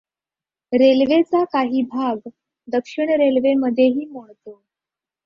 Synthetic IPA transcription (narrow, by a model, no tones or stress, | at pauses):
ɾelʋet͡sakaɦiːbʱaɡ | d̪əkʂiɳɾelʋeməd̪ʱːjeɦiːmoɭt̪o